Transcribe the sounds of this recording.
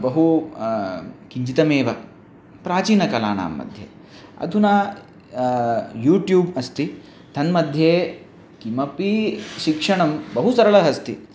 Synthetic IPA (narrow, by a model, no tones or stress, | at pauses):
bɐɦu | kiɲd͡ʒit̪ɐmeːʋɐ | pɾaːt͡ʃiːnɐkɐla̰ːna̰ːmːɐ̰d̪ʱjḛ | ɐ̰d̪ʱunaː | juːʈjuːbɐst̪i | t̪ʰɐnmɐd̪ʱjeː | kimɐpiʃikʂɐɳɐmbɐɦusɐɾɐɭɐɦɐst̪i